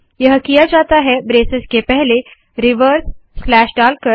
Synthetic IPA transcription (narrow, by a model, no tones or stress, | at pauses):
jəɦəkijad͡ʒat̪aɦɛbɾesəskepɛɦle | ɾiʋəɾsːlæʃɖalkə